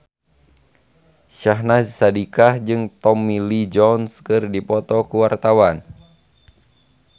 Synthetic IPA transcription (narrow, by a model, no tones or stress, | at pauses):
ʃaɦnassadikahd͡ʒɨŋt̪ɔmilid͡ʒɔnskɨrdipɔt̪ɔkuwart̪awan